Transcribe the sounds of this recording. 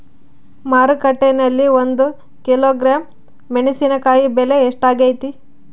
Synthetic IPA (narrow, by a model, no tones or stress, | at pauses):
maːɾukɐʈːenɐlːiond̪u | kiloːɡɾaːmː | eɳisinɐkaːjibeleːʂʈaːɡejt̪i